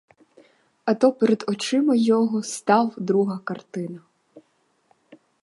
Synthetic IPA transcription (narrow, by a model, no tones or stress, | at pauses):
ɐt̪ɔpeɾed̪ɔt͡ʃɪmɐjɔɦɔst̪ɑwd̪ɾuɦɐkɐrt̪ɪnɐ